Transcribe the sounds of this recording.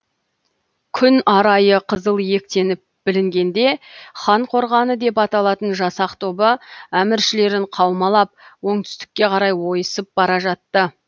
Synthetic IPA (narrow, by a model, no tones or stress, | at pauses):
kʲʰʏnɑɾɑjəqʰəzəlˠje̞k̚t̪e̞nɪp̚b̥ɪlɪŋɡʲe̞nd̪e̞χɑɴqʰo̞ɾʁɑnəd̪e̞pɑt̪ɑlˠɑt̪ənʒɑsɑqt̪ʰo̞bəæmɪɾʃɪle̞ɾɪɴqʰɑwmɑlˠɑp̚wo̞ɴt̪ʰʏ̥st̪ɪ̥kʲːe̞qʰɑɾɑjwo̞jəsəp̚b̥ɑɾɑʒɑt̪ːə